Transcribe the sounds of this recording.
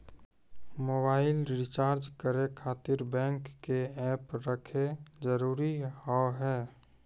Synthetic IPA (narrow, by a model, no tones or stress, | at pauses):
moːbaːɪlɾɪt͡ʃaːɾd͡ʒkəɾekʰaːt̪ɪɾbɛ̃ːŋkːeɛːpɾəkʰed͡ʒəɾuːɾihɔɦɛː